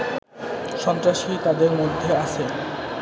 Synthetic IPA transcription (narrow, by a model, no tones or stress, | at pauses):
ʃɔnt̪ɾaʃit̪ad̪eɾmod̪ʱːeaʃʰe